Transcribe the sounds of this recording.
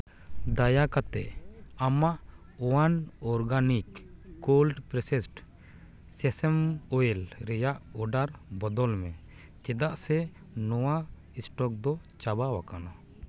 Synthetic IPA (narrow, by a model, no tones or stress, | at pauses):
d̪ajakat̪ɛ̰ʔamaʔ | ɔwanɔɾɡanikːolɖpɾɛsɛsʈ | sɛsɛmɔɛlɾɛjaʔɔɖaɾbɔd̪ɔlmɛ̃ | t͡ʃɛd̪aʔsɛ | nɔwa | ɛsʈɔk̚d̪ɔ | t͡ʃabawakanɔ